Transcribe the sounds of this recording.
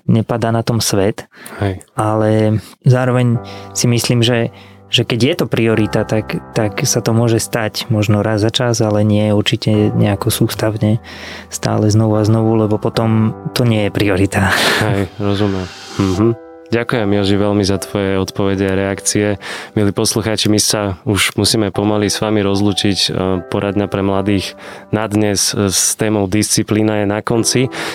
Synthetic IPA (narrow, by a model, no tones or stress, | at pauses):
ɲɛpad̪aːnat̪ɔmsʋɛt̪hɛjalɛzaːɾɔʋɛɲsimisliːmʒɛ | ʒɛkɛɟjɛt̪ɔpɾiɔɾit̪at̪akt̪aksat̪ɔmʊɔʒɛst̪acmɔʒnɔɾazːat͡ʃazalɛɲɪɛjɛuɾt͡ʃicɛɲɛakɔsuːst̪aʊɲɛ | st̪a̰ːlɛznɔʋuaznɔʋulɛbɔpɔt̪ɔmt̪ɔɲɪɛjɛpɾiɔɾit̪ahɛjɾɔzumɛm̩ | ɦ̩ | ɟakujɛmːiɔʒiʋɛlmizat̪ʋɔjɛɔt̪pɔʋɛɟɛaɾɛakt͡siɛmiliːpɔsluxaːt͡ʃimisauʒmusiːmɛpɔmalisʋamiɾɔzluːt͡ʃicpɔɾʔad̪ɲapɾɛmlad̪iːxnad̪ɲɛsst̪ɛːmɔʊd̪ist͡sipliːnajɛnakɔnt͡si